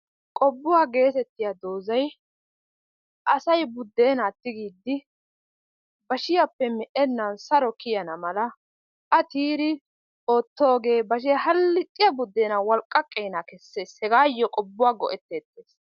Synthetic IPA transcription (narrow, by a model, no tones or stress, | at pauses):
kʼɔbːʊwaːɡe̞ːt̪ɛt̪ːɪjɐd̪o̞ːzɐj | ʔɐsɐjbʊd̪ːe̞ːnaːt̪ːɪɡiːd̪ːɪ | bɐʃɪjɐpːɛmɛʔɛnːɐnsɐɾɔkɪjɐnɐmɐlɐ | ʔɐt̪iːɾɪ | o̞ːt̪ːo̞ːɡe̞ːbɐʃ̬ɪjɐhɐlːɪt̪ʼːɪjɐbʊd̪ːe̞ːnɐwɔlkʼːɐkʼːɛjnakɛsːeːshɛɡaːjːɔkʼɔbːʊwaːɡɔ̰ʔɛt̪ːeːt̪ːeːs